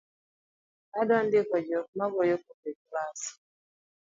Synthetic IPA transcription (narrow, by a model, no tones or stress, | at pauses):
adɔndɪkɔd͡ʒok̚maɡojokopeklas